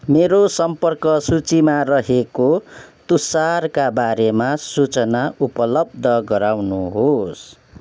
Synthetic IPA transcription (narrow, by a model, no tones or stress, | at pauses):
meɾosʌmpʌrkʌsut͡simarʌɦekot̪usarkabaɾemasut͡sʌnaupʌlʌb̚d̪ʱʌɡʌɾawnuɦos